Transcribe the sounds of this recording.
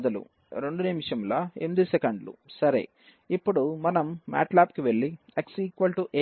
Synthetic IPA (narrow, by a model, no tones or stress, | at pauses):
d̪ɐlṵ | ɾe̞ɳɖuniːmʂɐmlɐemid̪isekɐɳɖlṵsɐɾḛ | ipːuɽumɐnɐmːa̰ːʈlaːpkiʋe̞ɭːieksiːkʋɐlʈuʔe